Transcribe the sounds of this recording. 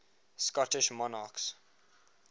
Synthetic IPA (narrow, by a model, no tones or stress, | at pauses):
skɔtɪʃmɔnaks